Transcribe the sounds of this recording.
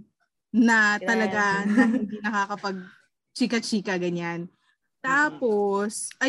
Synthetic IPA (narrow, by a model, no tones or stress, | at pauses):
nɐt̪ɐlɐɡahɪŋd̪inɐkaːkɐpɐɡ̚ | t͡ʃiːkɐt͡ʃiːkɐɡɐɲan | t̪aːposʔɐ